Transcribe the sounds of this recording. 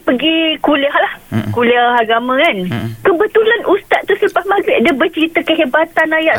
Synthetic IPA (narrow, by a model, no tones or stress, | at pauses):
pəɡikuliahlahkuliahaɡamãkankəbət̪ulanʔust̪aʔ̪̚t̪ːusələpahmaɡɛʔdəbət͡ʃəɾit̪əkəɦebat̪anajaʔ